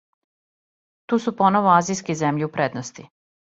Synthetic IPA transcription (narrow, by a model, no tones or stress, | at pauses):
t̪uːsupo̞noʋoazijskezemʎiupɾed̪nost̪i